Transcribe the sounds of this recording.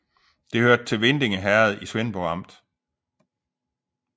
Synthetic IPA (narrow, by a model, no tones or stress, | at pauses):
d̥e̝høɐd̥̚t͡sʰe̝lʋend̥eŋəɦæɐð̩ˠiswenb̥ɒɑ̈m̰d̥